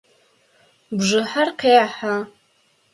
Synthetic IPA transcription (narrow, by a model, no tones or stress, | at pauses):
bʐɨħarqʰejaħa